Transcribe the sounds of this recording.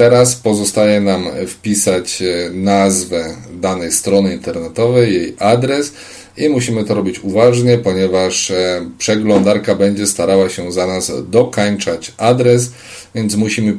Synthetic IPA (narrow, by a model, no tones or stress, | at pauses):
t̪ɛɾaspɔzɔst̪ajɛnamfpʲisat͡ɕnazvɛ | d̪anɛjst̪ɾɔnɘint̪ɛɾnɛt̪ɔvɛjːejʔad̪ɾɛs | imuɕimɘt̪ɔɾɔbʲit͡ɕuvaʐɲɛpɔɲɛvaʂpʂɛɡlɔnd̪aɾkabɛɲd͡ʑɛst̪aɾawaɕɛzanazd̪ɔkaɲt͡ʂat͡ɕad̪ɾɛs | vʲjɛnt̪smuɕimɘ